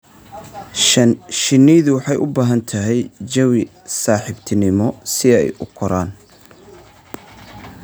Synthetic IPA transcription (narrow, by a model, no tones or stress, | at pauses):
ʃɪnːiːðʊwɑħɑjʔʊbaːɦɐnt̪ʰɐɦɛjt͡ʃɐwɪ | saːħɪbt̪ʰɪnɪmɔsɪɛ̰jʔʊkʰɔɾaːn